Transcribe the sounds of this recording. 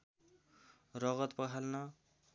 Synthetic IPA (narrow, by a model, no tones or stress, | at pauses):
rʌɣʌt̪pʌɦʰalnʌ